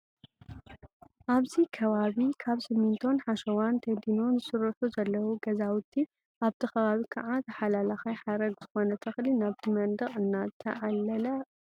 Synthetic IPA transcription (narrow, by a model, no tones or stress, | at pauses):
ʔaβzikʰɐβaβikʰaβsɨmint̪ʰo̞nħaʃɐwant̪ʰɐd̪inonzɨsɨɾɐħuzɐlːɐwuɡɐzawʊt̪ʰːi | ʔaβt̪ʰixɐβaβikʰɐʕat̪ʰɐħalalaxajħaɾɐɡz̥ɨxo̞nɐt̪ʰɐxlinaβt̪ʰimɐnd̪ɐɣʼɨnːazɨt̪ʰɐ̰ʕalːɐlɐ